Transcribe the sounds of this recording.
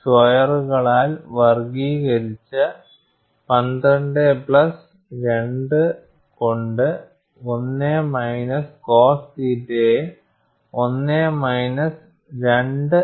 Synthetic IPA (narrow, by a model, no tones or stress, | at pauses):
sʋɐjɐruɣɐɭaːlʋɐrɡiːɣɐɾit͡ɕːɨ | pɐnd̪ɐɳɖepɭɐs | ɾe̞ɳɖɨ | ko̞ɳɖɨ | o̞nːeːmɐjnɐsko̞ːstitːe | o̞nːeːmɐjnɐs | ɾe̞ɳɖɨ